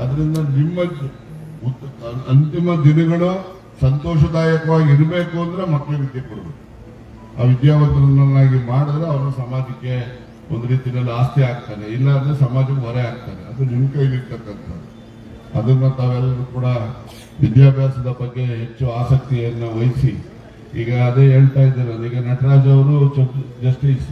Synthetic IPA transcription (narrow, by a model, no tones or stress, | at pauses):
ɐd̪ɐɾind̪ɐnimːɐ | uɐnt̪imɐd̪inɐɡɐɭu | sɐnt̪ɔːʃɐd̪aːjɐkɐʋaːɡiiɾbe̞ːkuɐnd̪ɐɾe̞mɐkːleʋid̪jɐkoɽudukːu | a̰ːʋid̪jaːʋɐt̪ɐɾɐnːɐnːaːɡimaːɽid̪ɾeɐʋɐɾusɐmaːd͡ʒɐkːe̞ | ond̪uɾiːt̪inɐlːiaːst̪iaːɡt̪aːɾeilːɐnesɐmaːd͡ʒɐkuɦɔɾɛaːɡ̚t̪aːɾeɐd̪ɾunimɐkɐjinːiɽt̪ɐkːɐnt̪ʰɐ | ɐd̪ɐnːɐt̪aːʋɛlːɐɾuːkuːɽɐ | ʋid̪jaːbʱjaːsɐd̪ɐbɐɡːe̞ɦet͡ʃːuaːsɐk̚t̪iɐnːɐʋɐjsi | ḭːɡɐːd̪eeːɭt̪aːjid̪eːɾɐiːɡɐnɐʈʰɾaːd͡ʒɐʋɐɾud͡ʒɐd͡ʒɐsʈiːs